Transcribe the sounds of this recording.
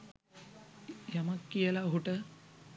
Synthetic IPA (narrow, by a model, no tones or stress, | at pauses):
jɐmɐkːijɐlaɦuʈə